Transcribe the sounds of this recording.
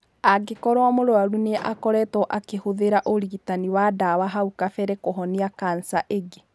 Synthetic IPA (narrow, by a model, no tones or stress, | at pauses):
aɡekɔɾwamoɾoaɾuneʔakɔɾɛtɔʔakehoðeɾaʔoɾiɣitaniwadawaɦaukafɛɾɛkoɦɔniakansaʔeɡe